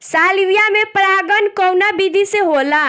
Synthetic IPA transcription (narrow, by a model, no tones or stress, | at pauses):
saliɾijamepɾaɡənkɔwnabid̪ʱiseɦola